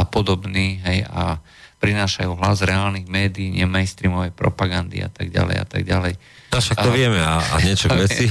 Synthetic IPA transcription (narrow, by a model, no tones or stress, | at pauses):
apɔd̪ɔbniːɦɛja̰ | pɾinaːʃajuːɦlazɾɛaːlniɣmɛːd̪iːɲɛmajnst̪ɾiːmɔʋɛjpɾɔ̰paɡand̪ḭa̰t̪aɡɟa̰lɛ̰ja̰t̪a̰ɡɟalɛj | naʃakt̪ɔʋɪɛmɛaa̰ɲɪɛt͡ʃɔɡʋɛt͡si